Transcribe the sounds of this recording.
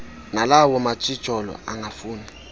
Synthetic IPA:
nalawɔmat͡ʃʼi̥ʒ̥ʱɔlɔ̰aŋafuːni

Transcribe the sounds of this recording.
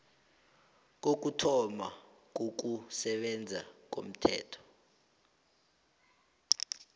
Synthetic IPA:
k̬ok̬ʼutʰɔma̰k̬ok̬usɛɓɛnd͡zʱa̰k̬o̰m̩tʰɛ̰ːtʰɔ̥

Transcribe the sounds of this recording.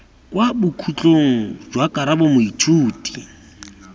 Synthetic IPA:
kʼwabʊkʰut͡ɬʼoŋ̩d͡ʒwakʼaɾabomʊitʰuːtʼi̥

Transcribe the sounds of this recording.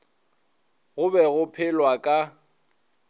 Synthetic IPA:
ɣʊbɛɣʊpʰɪlwakʼa

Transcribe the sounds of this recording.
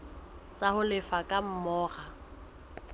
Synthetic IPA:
t͡sʼahʊlɪfakʼam̩mɔːχa

